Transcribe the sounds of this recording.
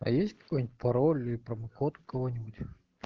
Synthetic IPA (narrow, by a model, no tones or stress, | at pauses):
ɐ̰jesʲtʲkɐ̥kojnʲɪtʲpɐɾolʲipɾəmɐkot̪ʊkɐvonʲɪbʊtʲ